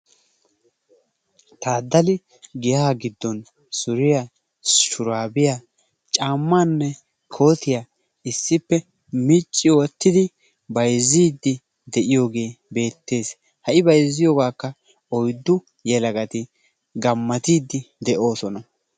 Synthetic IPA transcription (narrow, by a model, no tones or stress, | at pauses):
t̪aːd̪ːɐlɪ | ɡɪjaːɡɪd̪ːɔn | sʊɾɪja | ʃʊɾaːbɪja | t͡ʃʼaːmːaːnːɛ | kʰo̞ːt̪ɪja | ɪsːɪpːɛ | mɪt͡ʃʼːɪwɔt̪ːɪd̪ɪ | bɐjzːiːd̪ːɪ | d̪ɛʔɪjo̞ːɡe̞ːbe̞ːt̪ːe̞ːs | hɐʔɪbɐjzːɪjoːɡaːkːɐ | ɔjd̪ːʊ | jɛlɐɡɐt̪ɪ | ɡɐmːɐt̪iːd̪ːɪd̪ɛʔo̞ːsɔnɐ